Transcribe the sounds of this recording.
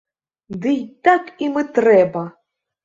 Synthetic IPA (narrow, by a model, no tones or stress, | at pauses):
d̪ɨjt̪akimɨt̪ɾɛbɐ